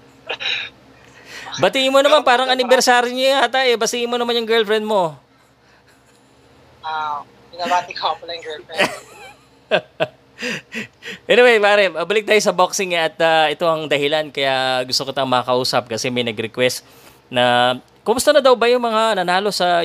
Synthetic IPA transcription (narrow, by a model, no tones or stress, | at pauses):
bɐt̪iːʔɪnmonɐmanpaːɾɐŋɐnɪbɛɾsaːɾjoɲaat̪aʔɛbɐsiːʔɪnmonɐmanjʊŋɡɛɹlfɾɛnd̪̚mo̞ | a | bɪnabaːt̪ɪkɐpɐlɐjŋɡɛlfɛ | ʔɛnɪwejpaːɾɛmɐbɐlɪk̚t̪ajosɐboksɪŋaʔɐt̪̚aʔɛt̪o̞ʔɐŋd̪ɐhɪlankɐjaɡʊst̪okɪt̪ɐŋmɐɐkɐʔuːsɐp̚kɐsɛmɐjnɐɡɾɛkwɛst̪ | nɐ | komʊst̪ɐnɐd̪ɐwbɐjʊŋmɐŋanɐnaːlo̞sɐ